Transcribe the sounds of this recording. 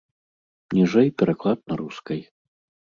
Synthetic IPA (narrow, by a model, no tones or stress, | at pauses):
nʲiʐɛjpʲɛɾaklˠad̪̚nɐɾuskɐj